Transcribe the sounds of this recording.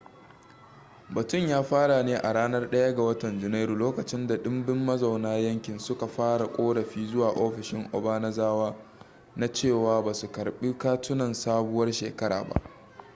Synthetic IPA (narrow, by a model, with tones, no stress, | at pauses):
bɐ˨tʊ˦˨ɲjaː˦ɸaː˦ɽa˨neː˦ʔa˨ɽaː˦nɐ˦rɗɐ˦ja˦ɡa˨wɐ˦tɐ˨nd͡ʒɪ˨na˦ɾuː˨loː˦kɐ˨t͡ʃɪ˦nda˨ɗɪ˦mbɪ˦mːɐ˦za˨wnaː˦jɐ˦ŋkʲɪ˨nsʊ˦ka˨ɸaː˦ɽa˨kʷʼoː˦ɽɐ˨ɸiː˦zʊ˦waː˨ʔoː˦ɸɪ˨ʃɪ˦ŋʔɔ̰˨baː˦na˦zaː˦waː˦ | na˦t͡ʃeː˦˨waː˦baː˨su˨kɐ˨ɾɓiː˦kaː˦tʊ˦nɐ˨nsaː˦bʊ˦wɐ˦rʃḛː˨kɐ˦ɾa̰ː˨ba̰˦ʔ